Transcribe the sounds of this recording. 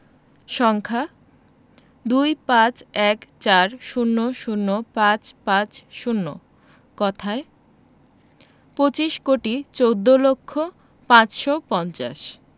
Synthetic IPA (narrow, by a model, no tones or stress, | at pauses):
ʃɔŋkʰa | d̪ujpãt͡ɕɛkt͡ɕaɾʃunːoʃunːopãt͡ɕpãt͡ɕʃunːo̰ | kɔt̪ʰae | pot͡ɕiʃkoʈit͡ɕowd̪ːolokʰːo | pãt͡ɕʃopɔnt͡ɕa̰ʃ